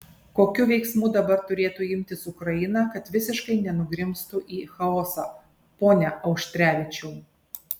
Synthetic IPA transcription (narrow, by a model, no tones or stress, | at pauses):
koːkʲʊʋʲɛɪksmuːd̪ɐbɐɾt̪ʊɾʲeːt̪ʊɪmʲt̪ʲɪsʊkɾɐjɪnɑkɐt̪ʋʲɪsʲɪʃkɐɪnʲɛnʊɡɾʲɪmst̪ʊʔiːxɐoːsɐ | poːnʲɛʔɐʊʃʲt̪ʲɾʲæːʋʲɪt͡ʃʲuː